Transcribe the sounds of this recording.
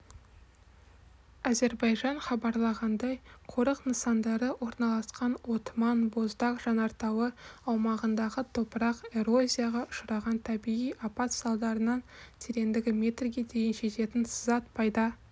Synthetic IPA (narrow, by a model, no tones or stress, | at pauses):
æze̞ɾbɑjʒɑɴχɑbɑɾlˠɑʁɑnd̪ɑjqʰo̞ɾəqnəsɑnd̪ɑɾəwʔo̞ɾnɑlˠɑsqɑnwo̞t̪mɑnbo̞zd̪ɑqʒ̥ɑnɑɾt̪ɑwəɑwmɑʁənd̪ɑʁət̪ʰo̞pəɾɑqe̞ɾo̞zʲijaʁɑʔʊ̥ʃəɾɑʁɑnt̪ʰæbijijʔapɑt̪sɑlˠd̪ɑɾənɑnt̪ʰeɾe̞nd̪ɪɡʲɪmʲe̞t̪rɡʲe̞d̪e̞jɪnʒe̞t̪e̞t̪ɪnsəzɑt̪̚pɑjd̪ə